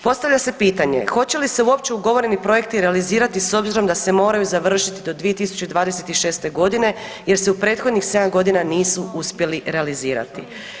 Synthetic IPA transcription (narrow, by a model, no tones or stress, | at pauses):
po̞st̪aʋʎʲase̞piːt̪aɲe̞̰xo̞t͡ɕe̞lise̞uo̞pt͡ɕeuɡo̞ʋo̞ɾe̞nipɾo̞je̞kt̪iɾealiziːɾat̪iso̞bziɾo̞md̪ase̞mo̞ːɾajuzaʋr̩ʃit̪id̪o̞d̪ʋije̞t̪isu̥t͡ɕed̪ʋaːd̪e̞se̞t̪iʃe̞ːst̪e̞ɡo̞d̪ine̞ | je̞ɾse̞upɾe̞ːt̪xo̞d̪ɲixse̞d̪amɡo̞d̪inaniːsuuspje̞liɾealiziːɾa̰t̪i